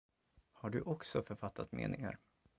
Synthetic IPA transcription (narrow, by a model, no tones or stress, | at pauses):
haɖɵʔɔksɔfœɾfat̪ʰːat̪mḛːnɪŋə̰ɾ